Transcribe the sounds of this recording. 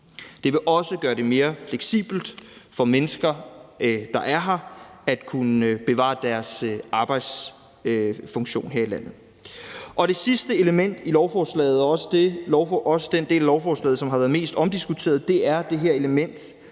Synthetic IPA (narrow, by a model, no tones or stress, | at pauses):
d̥e̝ʋe̝ʔɒ̽səɡ̥ɶːɐɾ̥e̝me̝ːɐfleɡ̥sḭːb̥l̩d̥fɒ̽menəsɡ̥ɐ | d̥ɑ̈ʔæɐɦɑ̈æd̥kʰunəb̥e̝ʋɑ̰̈ːd̥æɐsɑ̈ːb̥ɑ̈ɪ̰d̥s | fɔ̽ŋɕo̝̰ːnɦḛɐilæn̰ð̩ˠ | ʔɒ̽ɾ̥e̝sisd̥əe̝ləmen̰d̥ilɒʊfɒːslɛ̰ːð̞̩ˠɒ̽sə̥d̥e̝lɒʊfʔɒ̽səd̥end̥e̝̰ːlælɒʊfɒːslɛ̰ːð̩ˠsɒ̽mɦɑ̈ʋæːɐð̩ˠme̝̰ːsd̥ɒ̽md̥isɡ̥ut͡sʰe̝̰ːɐð̩ˠd̥e̝æɐd̥e̝ɦeɐ̰e̝ləmen̰d̥